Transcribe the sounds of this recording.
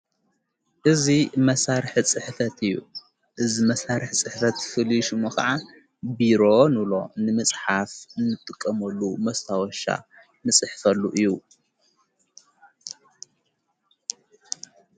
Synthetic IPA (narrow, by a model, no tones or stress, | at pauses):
ʔɨzimɐsaɾħt͡sʼɨħfɐt̪ɨjːṵ | ʔɨzimɐsaɾɨħt͡sʼɨħfɐt̪fɨliʃumɨxɐʕa | biɾo̞nɨlo̞̰nɨmɨt͡sʼħafɨnːɨt̪ʼːɨkʼːɐmɐlːumɐst̪ʰawɔʃa̰ | nɨt͡sʼɨħfɐlːuʔɨjːu